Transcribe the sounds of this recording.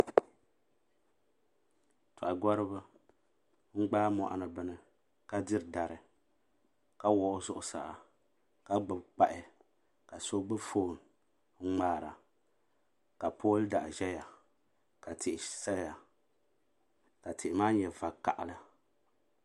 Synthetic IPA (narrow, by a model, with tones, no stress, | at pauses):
tʰʊ˨ʔa˨ɡɔ˦ɾɨ˦bɨ˦ | ŋ͡m̩˦ɡ͡baː˦mɔ̰˨ʔa̰˨nɨ˨bɨ˦nɨ˨ | ka˦dɨ˦ɾda˨ɾɨ˨ | ka˦wɔ˦˨ʔʊ˦zʊ˦ʔʊ˨sa̰˨ʔa̰˨ | ka˦ɡ͡bɨ˨bk͡pa˦ʔɪ˦ | ka˨so˦ɡ͡bɨ˦foː˦˨n˨ | ŋ͡m̩˦ŋ͡maː˦˨ɾa̰˨ | ka˨pʰo˦lda̰˨ʔʒɛ˦ja˨ | ka˨tʰɪ˨ʔɪ˨sa˦ja˨ | ka˨tʰɪ˨ʔɪ˨maː˦ɲɛ˨va˨ka̰˨ʔa˨lɨ˦